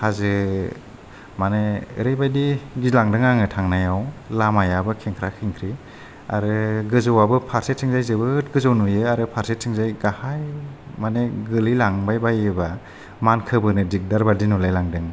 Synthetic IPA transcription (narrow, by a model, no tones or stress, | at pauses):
hazɯ | maneɾɯjbajdiɡilaŋdɯŋaŋɯtʰaŋnajawlamajabɯkʰeŋkʰɾakʰɯŋkʰɾi | a̰ɾɯɡɯzawabɯpʰaɾset̚sʰɯŋzajzɯbɯt̚ɡɯzawnujɯaɾɯpʰaɾset̚ʰɯŋzajɡahajmaneɡɯlilaŋbajbajɯba | mankʰɯbɯnɯdik̚daɾbaɾdinulajlaŋdɯŋ